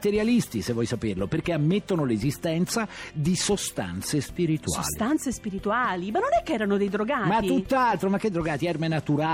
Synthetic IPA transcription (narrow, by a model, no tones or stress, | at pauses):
t̪eɾjalist̪isevːɔjsaperloperkeamːet̪ːonolezist̪ɛnt̪sad̪isost̪a̰nt̪sespiɾit̪ua̰ːst̪ant̪sespiɾit̪uaːlimanːonɛkːeɛːɾanod̪ejd̪ɾoɡaːmat̪iːut̪ːalt̪ɾomak̟ːed̪ːɾoɡaːt̪iɛrmenat̪uɾa